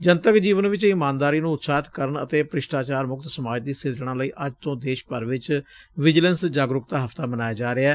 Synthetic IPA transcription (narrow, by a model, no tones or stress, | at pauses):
d͡ʒənt̪əkd͡ʒiːʋənʋɪt͡ʃɪmãːnd̪aːɾiːnũːʊt̪saːt̪kəɾəɳə̰t̪eːpɾɪʃʈaːt͡ʃaːɾmʊkt̪səmaːd͡ʒd̪iːsɪɾd͡ʒɽãːləiːʔəd͡ʒt̪õːd̪eːʃpəɾʋɪt͡ʃ | ʋɪd͡ʒlənsd͡ʒaːɡɾʊkt̪aːɦəft̪aːbənaːjaːd͡ʒaːɾeaː